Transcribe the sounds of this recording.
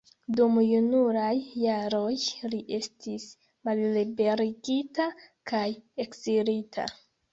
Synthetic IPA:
dumjunuɾajːaɾojliʔe̞stis | mallibe̞ɾiɡitakaje̞kziɾitʰa̰

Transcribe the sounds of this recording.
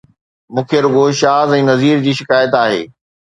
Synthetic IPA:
mũːkʰijəɾʊɡoːʃaːzɛ̃ːnɐziːɾd͡ʑiːʃɪkaːjət̪aːɦḛː

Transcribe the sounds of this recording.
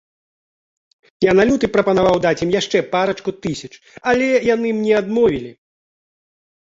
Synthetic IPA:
janalʲut̪ɨpɾɐpɐnavawd̪at͡sʲimjaʂt͡ʂɛpaɾɐt͡ʂkut̪ɨsʲɐt͡ʂ | ɐlʲɛjanɨmnʲɛad̪mɔvʲilʲi

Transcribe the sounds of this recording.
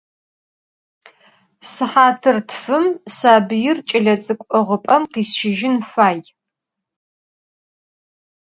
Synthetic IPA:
sɨħaːtʰɨrtʰfɨmsaːbɨjɪrt͡ʃʼɪɮɐt͡sʼɨkʷʼɔʁəpʼɐmqiːsʃɪʒɪnfaːj

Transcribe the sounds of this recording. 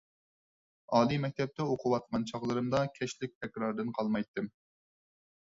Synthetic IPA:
ɑːlimɛk̚ʲt̪ʰɛp̚t̪ʰɛoqʰʊwɑt̪̚qʰɑnt͡ʃʰɑχlˠɨɾɨmd̪ɑkʲʰɛʃlɪk̚ʲt̪ʰɛkʲɾɑɾd̪ɨnqʰɑlˠmɑjt̪ːɨm

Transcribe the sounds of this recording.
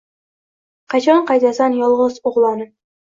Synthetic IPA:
qʰɑt͡ʃʰɒɴqɑjt̪ʰasanjɒlˠʁɨzoʁlˠɒnɪ

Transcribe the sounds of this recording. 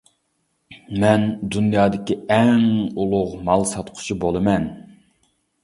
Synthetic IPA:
mɛnd̪unjɑːd̪ɪkʲiɛŋulˠʊʁmɑlˠsɑt̪qʰʊ̥t͡ʃʰibolˠɨmɛn

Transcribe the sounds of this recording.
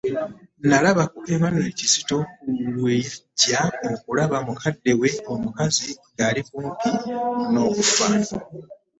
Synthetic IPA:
nalaβakuʔe̞βanoe̞cisi̥to̞kulwiːɟaokulaβamukʰadːe̞we̞omukaziŋɡaːlikuːmpino̞ːβufaːno

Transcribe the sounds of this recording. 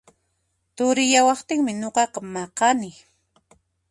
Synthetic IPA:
t̪ʊɾɪjawɑχt̪ɪŋmɪɲoqɑqɑmɑqɑnɪ

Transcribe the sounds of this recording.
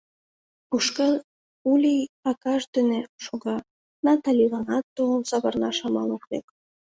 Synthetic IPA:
uʃkɑ | ulʲiɑkɑʃd̪eneʃoɣɑ | nɑt̪ɑlʲilɑnɑt̪ːosɑβɤrnɑʃɑmɑloklek

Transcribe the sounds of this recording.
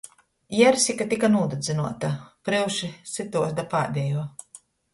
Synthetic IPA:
jɛɾsʲikat̪ikanuːd̪ud̪zɨnuɔt̪apɾɨwʃisɨt̪uɔsd̪apaːd̪ʲɛjuɔ

